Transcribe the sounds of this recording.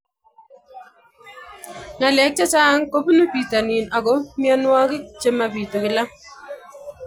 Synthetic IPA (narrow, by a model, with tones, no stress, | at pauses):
ŋa˨lɛ˨˦k̚t͡ʃa˦t͡ʃaː˦ŋko˦pu˦nu˦pi˨ta˨niː˨na˨kɔ˦mjɔ˦nwa˦kɪ˦t͡ʃe˦ma˨pi˨to˨kɪ˦la˦